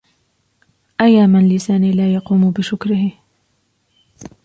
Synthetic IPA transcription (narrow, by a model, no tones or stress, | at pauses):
ʔajːaːmanlɪsaːniːlaːjɑquːmʊbɪʃʊkɾɪhɪ